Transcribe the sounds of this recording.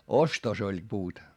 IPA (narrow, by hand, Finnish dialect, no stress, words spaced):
ostos olʲ puːt